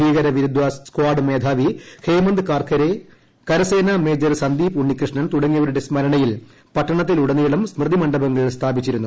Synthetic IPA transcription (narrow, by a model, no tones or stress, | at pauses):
iːɣɐɾɐʋiɾud̪ʋɐsskwaːɖɨmeːd̪ʱaːʋihʰeːmɐnd̪ɨkaːrkʰɐɾe | kɐɾɐseːnɐme̞ːd͡ʑɐɾsɐnd̪iːpuɳːikrɨʂɳɐnt̪uɽɐŋːijɐʋɐɾuɽe̞smɐɾɐɳɐjil | pɐʈːɐɳɐt̪̬ːiluɽɐnːijɐɭumsmrɨd̪ʱimɐɳɖɐbɐŋːɐɭst̪ʰaːbit͡ɕːiɾunːu